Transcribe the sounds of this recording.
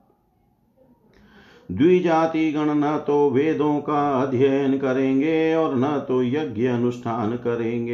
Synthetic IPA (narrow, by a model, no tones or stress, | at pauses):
d̪wiːd͡ʒaːt̪iɡɐɽ̃nɐt̪oʋeːd̪ʱõkaɐd̪ʱjəjənkɐɾẽːŋɡeɔːɾnɐt̪ojɐɡjəɐnʊsʈʰaːnkɐɾẽːŋɡeː